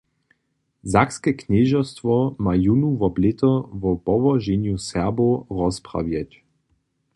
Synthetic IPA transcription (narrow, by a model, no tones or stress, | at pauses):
zakskɛknɛʒɔst̪ʋɔmajunuvɔblɪt̪ɔvɔpɔʋɔʒenjusɛboʁɔspʁa̰vjɛt͡ɕ